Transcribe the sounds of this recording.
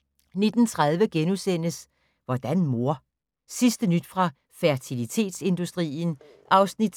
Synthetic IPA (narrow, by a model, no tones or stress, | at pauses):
ne̝d̥n̩t͡sʰʁað̞ˠʋəɡ̥enusen̰əs | ʋɒd̥ænmo̝ɐ̰ | sisd̥ənyd̥fʁɑ̈ | fæɐt͡sʰilit͡sʰe̝̰ːd̥se̝nd̥usd̥ʁḭːn̩ | ʔɑ̈ʊsnid̥